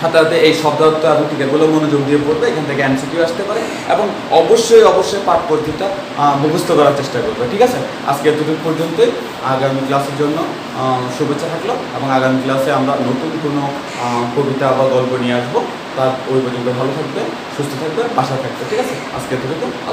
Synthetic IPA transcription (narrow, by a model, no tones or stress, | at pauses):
ʃat̪at̪eejʃɔb̚d̪ʱat̪ːoad̪oʈikeʈ̚ɡulamonod͡ʑoɡ̚d̪iepoɾbeekʰanet̪ʰekeɛnsiʈioaʃt̪epaɾe | ḛboŋ | ɔboʃːojɔboʃːojpaʈ̚poɾd̪ʱita | bʱobust̪ʰokɔɾaɾt͡ɕeʃʈakoɾbeʈʰikat͡ɕʰe | a̰d͡ʑket̪ud̪ipɔɾd͡ʑont̪oj | aɡamiklaseɾd͡ʑonːo | ʃubet͡ɕːʃʰat̪ʰakloeboŋaɡamiklaseamɾanot̪unkono | kobit̪abaɡɔlponieaʃbo | t̪aɾpoɾipod͡ʑontobʱalot̪ʰak̚be | ʃust̪ot̪ʰak̚bebaʃat̪ʰak̚beʈʰikat͡ɕʰe | a̰d͡ʑket̪uɾit̪oa̰